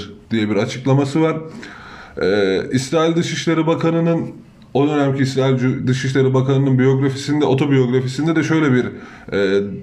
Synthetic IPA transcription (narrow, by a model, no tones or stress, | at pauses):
d̪̥ijɛbiɾat͡ʃʰɯklˠamasɯvaɾ̥ | ɛːisɾaːilʲd̪ɯʃiʃlʲeɾibakʰanɯnɯn | o̞d̪ø̞næmcʰiːsɾaːilʲd̪ɯʃiʃlʲˠeɾibakanɯnɯnbijo̞ɡɾafisind̪ɛʔo̞t̪ʰo̞bijo̞ɡɾafisind̪ɛd̪ɛʃø̞jlʲɛbiɾ | ɛː